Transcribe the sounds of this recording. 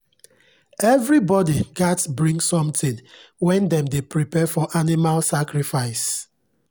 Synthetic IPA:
ɛvɹibɔdiɡatsbɹĩŋsɔ̃mtʰĩnwɛ̃ndɛ̃mdepɹipɛfɔʔanimalsakɹifaɪs

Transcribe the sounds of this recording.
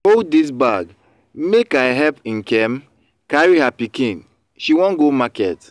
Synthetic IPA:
holddis̬baɡ | mekaɪɦɛpĩnkɛm | kaɹihapikĩn | ʃiwɔ̃nɡomakɛt

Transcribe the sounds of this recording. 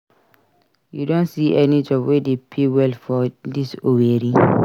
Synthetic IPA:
judõnsiʔɛnid͡ʒɔpwedepʰewɛlfɔdisoweɾĩ

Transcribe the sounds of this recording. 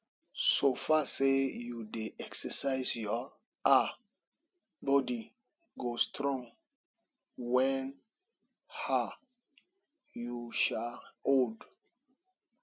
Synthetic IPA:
sofasejudeʔɛksəsaɪsjɔ | a | bɔdi | ɡostʰɾɔ̃ŋ | wɛ̃n | ha | juʃaod

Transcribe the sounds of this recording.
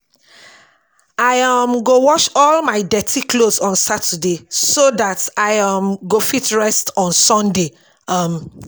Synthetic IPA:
aɪʌmɡowɔʃɔlmaɪdɛtʰiklosɔ̃nsatʰədesoðataɪʌmɡofitɹɛstɔ̃nsɔ̃nde | ʌm

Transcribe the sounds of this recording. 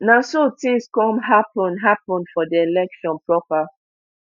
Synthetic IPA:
nãsotĩŋskɔ̃mɦapɔ̃nɦapɔ̃nfɔdielɛkʃɔ̃npɹɔpa

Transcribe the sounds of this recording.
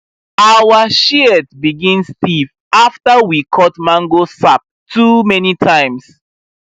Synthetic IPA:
awaʃiɛtbiɡĩnstiv | aftəwikʰɔtmãŋɡosap̚tʰumɛnitʰãɪ̃ms

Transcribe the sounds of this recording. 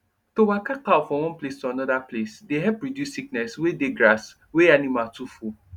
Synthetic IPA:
towakakafɔ̃wɔ̃nplestuanɔdaplesdeɦɛlpɹidjusːik̚nɛswedeɡɹas | weanimatufu

